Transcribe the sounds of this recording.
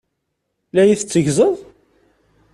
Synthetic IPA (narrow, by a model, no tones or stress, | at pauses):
læjiθt͡sːəʝzəðˤ